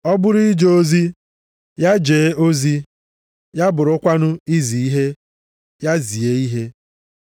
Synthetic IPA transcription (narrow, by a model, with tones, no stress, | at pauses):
ɔ˦bʊ˦ɾi˦d͡ʒo˨o˦zi˦ | ja˦d͡ʒeː˨˦o˦zi˦ | ja˦bʊ˨ɾʊ˦kʷa˦nʊ˦i˦zi˨i˦ɦe˦ | ja˦zi˨e˨˦i˦ɦe˦